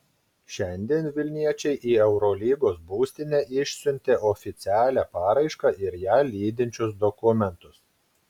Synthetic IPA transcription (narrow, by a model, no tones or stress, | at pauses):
ʃʲɛnʲd̪ʲiɛnʋʲɪlʲnʲiɛt͡ʃʲɛɪʔiːɛʊɾɔlʲiːɡoːsbuːsʲt̪ʲɪnʲɛʔɪʃʲsʲʊnʲt̪ʲeːʔɔːfʲɪt̪sʲæːlʲæːpɑːɾɐɪʃkɑʔɪɾjæːlʲiːd̪ʲɪnʲt͡ʃʲʊs̬d̪ɔkʊmʲɛnt̪ʊs